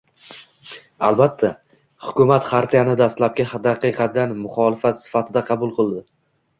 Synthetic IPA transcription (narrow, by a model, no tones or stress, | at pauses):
alˠbat̪ʰːa | hʊkʰʲʊmat̪χaɾt̪ʰijanɪd̪ast̪lap̚kʲahd̪ɑqɨqʰɑanmʊχɒlɪfat̪sɪ̥fat̪ʰɪd̪aqʰɑbʊlˠqʰɨlˠd̪ɪ